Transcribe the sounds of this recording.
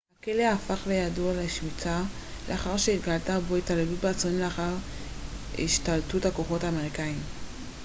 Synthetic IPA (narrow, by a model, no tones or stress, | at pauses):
hakeleafaχlejadoalaʃmit͡sa | lḛaχaʁʃeitɡaltaboitalelut̚beat͡soleaχaʁ | ḭʃtaltuthakoχo̞taːmeʁikaim